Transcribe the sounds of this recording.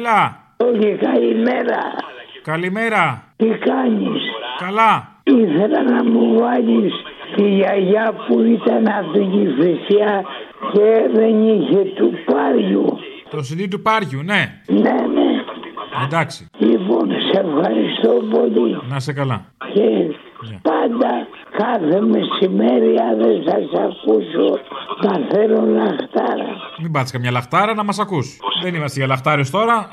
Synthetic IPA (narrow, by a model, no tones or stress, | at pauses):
lɐ | oʝikɐlimeɾɐ̰kɐlimeɾɐt̪ikɐɲiskɐlɐ | iθelɐnɐmuvɐʎist̪ijɐʝɐpuit̪ɐnɐt̪inifisiɐceðe̞niçet̪upɐɾʝṵ | t̪osilit̪̬upɐɾʝuneneneend̪ɐksi̥lipo̞nsefxɐɾist̪o̞po̞linɐsekɐlɐ | ce | nɐpɐnd̪ɐ | kɐθeme̞sime̞ɾiɐðesɐsɐkusoðɐθeɾolɐxt̪ɐɾɐ̰mimbɐt̪iskɐmɲɐlɐxt̪ɐɾɐnɐmɐsɐkusðenimɐst̪eʝɐlɐxt̪ɐɾest̪o̞ɾɐ